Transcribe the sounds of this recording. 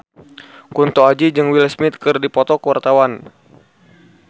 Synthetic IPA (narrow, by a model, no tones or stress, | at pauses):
kunt̪ɔad͡ʒid͡ʒɨŋwilsmit̪̚kɨrdipɔt̪ɔkəwart̪awan